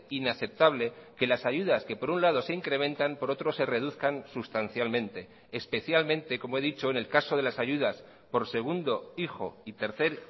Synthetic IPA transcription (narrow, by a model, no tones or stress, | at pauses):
inaθe̞p̚t̪aβ̞le̞ke̞lasaʝuðaske̞po̞ɾunlað̞o̞se̞iŋkɾe̞mẽ̞nt̪ampo̞ɾo̞t̪ɾo̞se̞re̞ð̞uθkansust̪an̟θjalmẽ̞nt̪e̞ː | spe̞θjalmẽnt̪e̞ko̞moe̞ðit͡ʃo̞ene̞lkaso̞ð̞e̞lasaʝuðas | po̞ɾse̞ɣ̞und̪o̞ixo̞it̪e̞ɾθe̞ɾ